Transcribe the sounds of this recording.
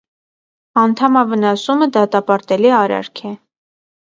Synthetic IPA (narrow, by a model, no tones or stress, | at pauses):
ɑnt̪ʰɑmɑvənɑsuməd̪ɑt̪ɑpɑɾt̪ɛliɑɾɑ̰ɾkʰɛ